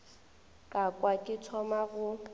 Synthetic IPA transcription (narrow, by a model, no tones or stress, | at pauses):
kʼakʼwakʼɪt͡sʰɔmaɣʊ